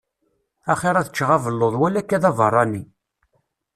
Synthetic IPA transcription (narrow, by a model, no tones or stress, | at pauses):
æχeɾˤæθət͡ʃːʁavəlːoðˤwælːækːæðɑvərˤːɑni